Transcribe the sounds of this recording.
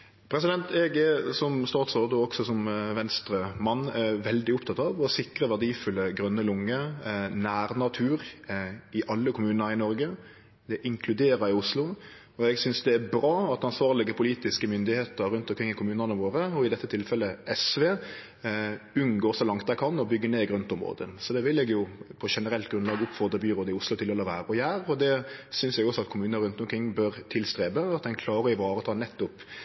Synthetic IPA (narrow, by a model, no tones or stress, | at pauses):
pʰɾɛsɪd̪ɛnt̪ɛɡɛsɔmst̪ɑːt̪sɔʁd̪ɔɔɡsɔsɔmʋɛnst̪ɾəmɑnːɛʋɛld̪ɪʊpt̪ʰɑt̪ɑʋɔsɪkɾəʋæʁd̪iːfʉlːəɡʁœnːəlʊŋːənæːɾnɑt̪ʰʉːɾ | ɪʔɑlːəkʰʊmʉːnnəɾɪnɔɾɡə | d̪ɛʔɪŋkʰlʉd̪eːɾəɾɪʊslʊ | ɔɛɡsʏnsd̪ɛæbɾɑːɑt̪ɑnsʋɑːʁlɪɡəpʰʊliːt̪ɪskəmʏnd̪ɪheːt̪əɾɾʉnt̪ɔmkʰɾɪŋːɪkʰʊmʉːnənəʋoːɾəɔɪd̪ɛt̪ːət̪ʰɪlfɛlːəʔɛsʋeː | ʉnɡoːɾsɔlɑŋt̪̚d̪æɪkʰɑnːɔbʏɡːəneːɡɾʉnt̪ɔmʁo̰ːd̪əsɔd̪ɛʋɪlɛɡjʊpʰɔʂɛnəɾɛlt̪ɡɾʉnlɑːɡʊpfɔʁd̪ɾəbyːɾoːd̪əɪʊslʊt̪ɪlɛlɔʋæːɾəɔjæːɾɔd̪ɛsʏnsɛɡɔsɔɑt̪kʰʊmʉːnnəɾʉnt̪ɔmkɾɪŋːbœɾt̪ʰɪlst̪ɾeːbəɑt̪̚d̪ɛnkʰlɑːɾəɪʋɑːɾət̪ʰɑːnɛt̪ːʊp